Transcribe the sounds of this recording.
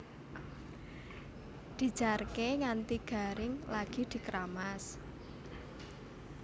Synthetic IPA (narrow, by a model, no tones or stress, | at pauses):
d̪̥i̤̥d͡ʒ̥arkeŋant̪iɡ̥a̤ɾɪŋlaɡ̥i̤d̪̥i̤kɾamas